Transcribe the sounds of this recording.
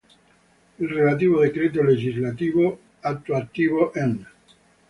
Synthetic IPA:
elrelat̪iβoðekɾet̪̬oleʝizlat̪iβo | at̪ːoat̪ːiβoʔen

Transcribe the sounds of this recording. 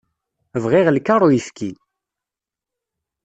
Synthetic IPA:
əvʁiʁlkaɾˤujifkil

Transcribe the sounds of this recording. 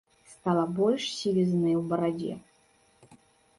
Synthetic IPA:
st̪alˠɐbɔlʲʂsʲivʲiznɨwbɐɾad͡zʲɛ̰

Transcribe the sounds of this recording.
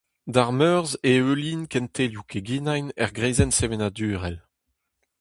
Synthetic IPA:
daʁmœʁzeøliːnkɛ̃nt̪ʰeljukʰeɡinajnɛʁɡʁeːzɛnsevenadyːʁɛl

